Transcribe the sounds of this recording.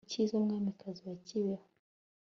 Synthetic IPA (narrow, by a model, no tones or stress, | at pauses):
t͡ʃizɔŋɡamɛkaziwat͡ʃiwa